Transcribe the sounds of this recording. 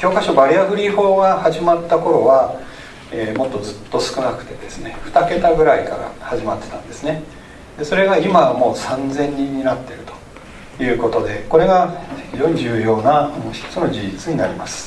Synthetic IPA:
kʲo̞ːkaɕobaɾʲiaɡɯ̟ɾʲiho̞ːɡahaʑimat̪ːako̞ɾo̞βa | eːmo̞t̪ːo̞d͡zɨt̪ːo̞sɨ̥kɯ̟nakɯ̟̥t̪e̞d̪e̞sɨne̞ɸɯ̟̥t̪ake̞t̪aɡɯ̟ɾaika̰ɾa̰haʑimat̪ːe̞̥t̪ãnd̪e̞sɨne̞ | d̪e̞so̞ɾe̞ɡaimamo̞ːsãnd͡zẽ̞ɲ̟ːĩɲ̟ːinat̪ːe̞ɾɯ̟t̪o̥ | jɯ̟ːko̞t̪o̞d̪e̞ko̞ɾe̞ɡaçiʑo̞ːɲ̟iʑɨːjo̞ːnaçi̥t̪o̥t͡sɨno̞d͡ʑid͡ʑit͡sɨɲ̟inaɾʲimasɨ̥

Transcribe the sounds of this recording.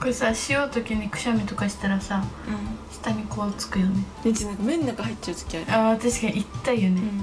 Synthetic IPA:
koɾesaɕijo̞ːt̪o̞kʲiɲ̟ikɯ̟̥ɕamʲit̪o̞kaɕi̥t̪aɾasaɯ̃ɕi̥t̪aɲ̟iko̞ːt͡sɨ̥kɯ̟jo̞ne̞nẽt͡ɕinãŋkamẽnːakahaitːt͡ɕaɯ̟t̪o̥kʲiaɾat̪aɕi̥kaɲ̟iit̪ːaijonẽ̞

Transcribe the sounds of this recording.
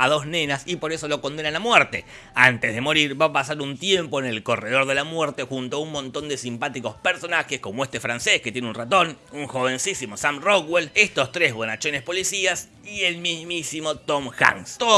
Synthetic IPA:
aðo̞snẽ̞nasipo̞ɾeso̞lo̞ko̞nd̪enalamweɾt̪e̞ | ant̪ezðe̞mo̞ɾiɾβapasaɾunt̪je̞mpo̞enelko̞reð̞o̞ɾðe̞lamweɾt̪e̞xunt̪oaunmõnt̪o̞nd̪e̞simpat̪iko̞speɾso̞naxesko̞moest̪e̞fɾansesket̪jenunrat̪o̞nuŋxo̞βe̞nsisimo̞samrokwelest̪o̞st̪ɾezβo̞nat͡ʃonespo̞lisias | ielmizmisimo̞t̪omxa̰ŋso

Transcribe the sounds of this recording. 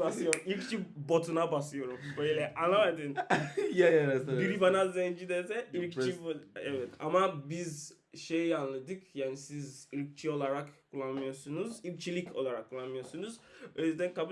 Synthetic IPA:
baslɯjomilʲkt͡ʃʰibo̞t̪ʰunabaslɯjo̞ɾumbøjlʲɛʔanˠamad̪ɯnjajaɾasabiɾibanazɛnd͡ʒid̪esɛilkt͡ʃibɛvɛt̪a̰mabiz | ʃejanlˠɯd̪ɯkjaːnisizilk̚t͡ʃʰio̞lˠaɾakkʰulˠːanmɯjo̞ɾsunuzilk̚t͡ʃʰilʲico̞̰lˠaɾakʰːulˠanmɯjo̞ɾsunuz̥øjyzd̪ænkabu

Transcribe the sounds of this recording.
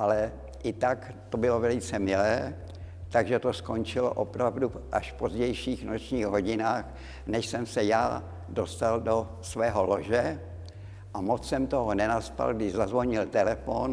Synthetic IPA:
ʔalɛ | ʔɪt̪ak | t̪o̞bɪlo̞vɛlɪt͡sɛmɪlɛː | t̪aɡʒɛt̪o̞sko̞ɲt͡ʃɪlo̰ʔopɾavduʔaʃfpo̞zɟɛjʃiːxnot͡ʃɲiːɣɦoɟɪnaːx | nɛʃsɛmsɛjaː | do̞st̪aldo̞ | svɛːɦo̞loʒɛ | ʔamot͡ssɛmt̪oɦonɛnaspa̰lɡdɪʒzazvo̞ɲɪlt̪ɛlɛfon

